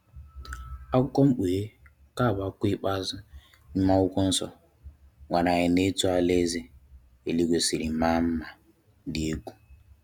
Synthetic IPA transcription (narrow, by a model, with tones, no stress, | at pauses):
a˦kʊ˦kɔ˦m̩˦k͡pe˨e˦ | ka˦˨ba˦kʷi˦k͡pa˦zɪ˦ | i˦ma˦ʊ˦kʷʊ˦n̩˦sɔ̰˦ | ŋʷa˨na˨ɲɪ˨ne˦tu˦a˨le˦ze˦ | e˨li˦ɡʷe˨si˨ɾi˨ma˦m̩˦ma˨ | di˨e˦ɡʷu˨